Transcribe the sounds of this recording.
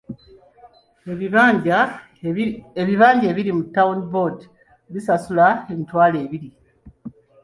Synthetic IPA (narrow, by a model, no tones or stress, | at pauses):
ea | eβiβaːɲɟe̞ːβiɾimutːaundbod | βisasulaemitwaːle̞ːβiɾi